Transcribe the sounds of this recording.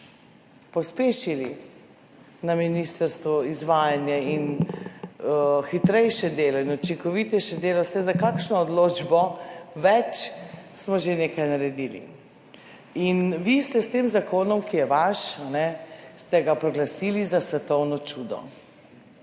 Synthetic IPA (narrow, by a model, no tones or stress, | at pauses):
pɔspeːʃili | naminist̪əɾst̪ʋɔizʋaːjanjain | xit̪ɾɛjʃɛd̪eːlɔinɔt͡ʃiŋkɔʋit̪ɛjʃɛd̪eːlɔsɛzakakʃnɔːd̪loːd͡ʒbɔʋɛt͡ʃsmɔʒeneːkajnaɾɛd̪iːlḭ | inʋist̪ɛst̪eːmzakʰoːnɔmkijɛʋaʃanɛst̪ɛɡapɾɔɡlasiːlizasʋɛt̪ɔwnɔt͡ʃuːd̪ɔ̰